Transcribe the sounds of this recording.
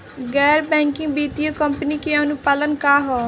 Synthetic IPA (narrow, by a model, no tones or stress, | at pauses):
ɡɛːɾbɛ̃ːŋkɪ̃ŋɡbiːt̪ijokəmpənikeənupaːlənkaːɦɔː